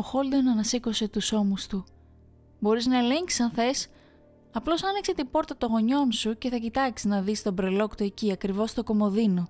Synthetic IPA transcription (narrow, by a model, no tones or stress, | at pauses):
oxo̞ld̪onɐnɐseko̞se̞t̪uso̞must̪u | bo̞ɾiznɐe̞le̞ɲksi̥sɐnθe̞s | ɐplo̞sɐnikse̞t̪ibo̞ɾt̪ɐt̪o̞ɣo̞ɲo̞nsuce̞θɐcit̪ɐksi̥znɐðist̪o̞bɾe̞lo̞kt̪ue̞ciɐkɾivo̞st̪o̞ko̞mo̞ðino